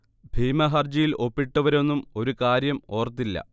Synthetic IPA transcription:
bʱiːmɐɦɐrd͡ʑijilʔo̞pːiʈːɐʋɐɾo̞nːumo̞ɾukaːɾjɐmo̞ːrt̪ːilːɐ̰

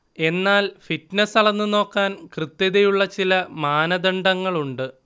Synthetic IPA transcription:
e̞nːaːlfitnɐsɐɭɐnːɨno̞ːkːaːnkrɨt̪ːjɐðejuɭːɐt͡ɕilɐmaːnɐd̪ɐɳɖɐŋːɐɭuɳɖɨ

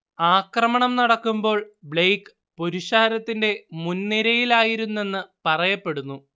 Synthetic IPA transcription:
aːkrɐmɐɳɐmnɐɽɐkːumbo̞ːɭbɭejkːɨ | po̞ɾiɕaːɾɐt̪ːinde̞munːiɾɐjilaːjiɾunːe̞nːɨpɐrɐjɐpːe̞ɽunːu

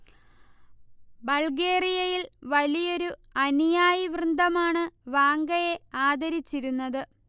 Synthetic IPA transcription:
bɐlɡe̞ːrijɐjilʋɐlijo̞ɾuɐnijaːjiʋrɨnd̪ʱɐmaːɳɨʋaːŋɡɐje̞aːd̪ɐɾit͡ɕːiɾunːɐðɨ

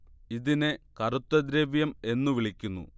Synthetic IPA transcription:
iðinekɐrut̪ːɐd̪ɾeːʋjɐme̞nːuʋiɭikʲːunːṵ

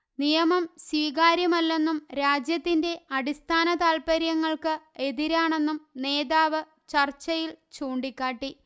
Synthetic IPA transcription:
nijɐmɐmswiːɣaːɾjɐmɐlːe̞nːumɾaːd͡ʑjɐt̪ːinde̞ɐɽist̪ʰaːnɐt̪aːlpɐɾjɐŋːɐɭkɨe̞ðiɾaːɳe̞nːumne̞ːðaːʋɨ | t͡ɕɐrt͡ɕːɐjilt͡ɕuːɳɖikʲːaːʈːi

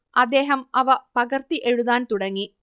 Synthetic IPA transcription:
ɐd̪ːeːɦɐmɐʋɐpɐɡɐrt̪iʔeɻuðaːnt̪uɽɐŋːi

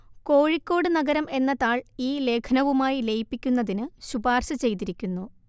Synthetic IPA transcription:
ko̞ːɻikʲːo̞ːɽɨnɐɡɐɾɐme̞nːɐt̪aːɭiːle̞ːkʰɐnɐʋumaːjile̞jpːikʲːunːɐðinɨɕubaːrɕɐt͡ɕe̞jt̪iɾikʲːunːu

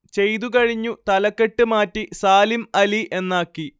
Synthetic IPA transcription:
t͡ɕe̞jt̪uk̬ɐɻiɲːut̪ɐlɐkːe̞ʈːɨmaːtːisaːlimɐliʔe̞nːaːkːi

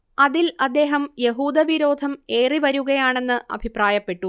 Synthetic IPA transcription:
ɐðilɐd̪ːe̞ːɦɐmje̞ɦuːd̪ɐʋiɾo̞ːd̪ʱɐme̞ːriʋɐɾuɣɐjaːɳe̞nːɨʔɐ̰bʱipraːjɐpːe̞ʈːu

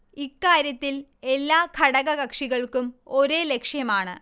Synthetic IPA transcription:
ikːaːɾjɐt̪ːile̞lːaːkʰɐɽɐɣɐɣɐkʂiɣɐɭkumoɾe̞ːlekʂjɐmaːɳɨ̰

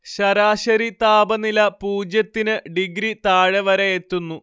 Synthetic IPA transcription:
ɕɐɾaːɕɐɾit̪aːbɐnilɐpuːd͡ʑjɐt̪ːinɨɖiɡɾit̪aːɻɐʋɐɾɐjet̪ːunːu

